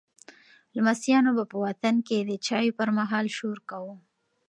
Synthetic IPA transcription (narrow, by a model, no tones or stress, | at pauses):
lamasjɑnobapəwat̪anked̪ət͡ʃɑjopəɾmaɦɑlʃoɾkawu